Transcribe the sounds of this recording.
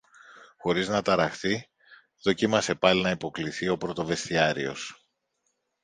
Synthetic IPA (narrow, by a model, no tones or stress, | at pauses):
xo̞ɾiznɐt̪ɐɾɐxθi | ðo̞cimɐse̞pɐlinɐipo̞kliθio̞pɾot̪o̞ve̞st̪iɐɾḭo̞̰s